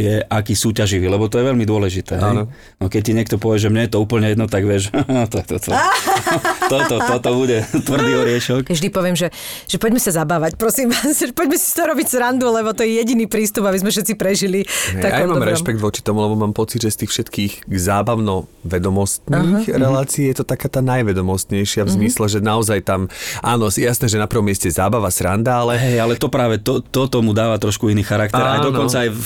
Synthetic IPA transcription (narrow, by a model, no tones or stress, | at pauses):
jɛʔakiːsuːcaʒiʋiːlɛbɔt̪ɔjɛʋɛlmid̪ʊɔlɛʒit̪ɛːɦɛj | nɔkɛc̚t̪iɲɪɛkt̪ɔpɔʋɪɛʒɛmɲɛjɛt̪ɔuːpl̩ɲɛjɛd̪nɔt̪aɡʋɪɛʒat̪ɔjɛt̪ɔt̪ | t̪ɔt̪ɔt̪ɔt̪ɔbuɟɛt̪ʋr̩d̪iɔɾɪɛʃɔkʒd̪ipɔʋɪɛmʒɛ | ʒ̥ɛpɔɟmɛsazabaːʋacpɾɔsimʋaːsʒɛpɔɟmɛsi̥st̪ɔɾɔbiɟzɾand̪ulɛbɔt̪ɔjɛjɛɟiniːpɾiːst̪ubabizmɛfʃɛt̪t͡sipɾɛʒiliɛaamaːmɾɛʃpɛɡ̚d̪ʋɔt͡ʃi̥t̪ɔmulɛbɔmaːmpɔt͡sid̪ʒɛst̪iːxfʃɛt̪kiːɣɡzaːbaʋʊnɔʋɛd̪ɔmɔst̪niːxɾɛlaːt͡siijɛt̪ɔt̪akaːt̪aːnajʋɛd̪ɔmɔst̪ɲɛjʃɪavzmislɛʒɛnaɔzajt̪amʔaːnɔjɛjasnɛːʒɛnapɾ̩ʋɔmjɛscɛzaːbaʋasɾa̰nd̪aalɛɦɛalɛt̪ɔpɾaːʋɛt̪ɔt̪ɔt̪ɔmud̪aːʋat̪ɾɔʃkuiniːxaɾakt̪ɛɾajd̪ɔnɔnt͡saaj